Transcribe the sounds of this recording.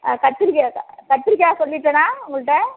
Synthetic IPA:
kɐʈt̪ːɪɾkːkɐʈt̪ːɪɾɪkʲːaːsɔlːɪʈːɐnaːʊŋɡɐɭɯʈːɐ

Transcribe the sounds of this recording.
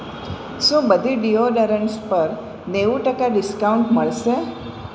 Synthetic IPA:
ʃũbəd̪ʱiɖijoɖəɾəɳʈspəɾ | neʋuʈəkaɖɪskawuɳʈməɭʃe

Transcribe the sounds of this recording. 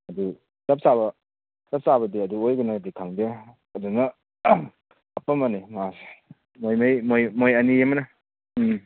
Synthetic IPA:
ɐdu | tɐp̚saβɐ | tɐp̚saβɐdiɐduojɡɯnadikʰaŋde | ɐdunɐ | ɐpɐmanimas | mojmajmojmojɐniemɐnɐ

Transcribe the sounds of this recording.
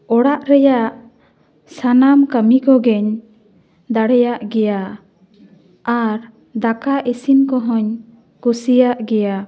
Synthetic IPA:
ɔɽaʔɾɛjaʔ | sanamkamikɔɡɛɲ | d̪aɽɛjaʔɡɛja | aɾ | d̪akaʔisinkɔɦɔɲ | kusijaʔɡɛja

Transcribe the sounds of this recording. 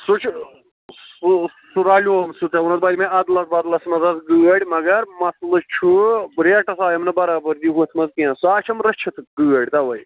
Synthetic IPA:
sut͡ʃʰ | suɾaːlʲoːmsut͡s̪ɐunɐt̪̚baːlimɐ̃ɐd̪lɐt̪̚bɐd̪lɐsmɐzɐzɡɨɐɽʲmɐɡɐɾmɐslɨt͡ʃʰuɾeːʈɐsaːjɐmnɐbɐɾaːbɐɾd̪iɦut̪ʰmɐzkiɐ̃saːt͡ʃʰɐmɾɐt͡ʃʰɐt̪ʰɡɨːɐɽʲt̪ɐʋɐj

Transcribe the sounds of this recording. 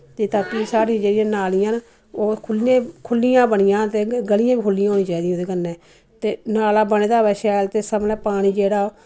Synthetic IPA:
t̪eːt̪aːkiːsaːɾiãd͡ʒeːɽɪjãːnaːlijãːn | oːkʰʊlãːkʰʊlːijãːbəɳɪjãːt̪eːɡəlɪjãːbiːkʰʊlːɪjãɦoːnĩːt͡ʃaːid̪ijãːd̪eːkənːɛ̃ː | t̪eːnaːlaːbəneːd̪aːʋɛːʃɛːlt̪eːsəmlɛːpaːɽ̃iːd͡ʒeːɽaː

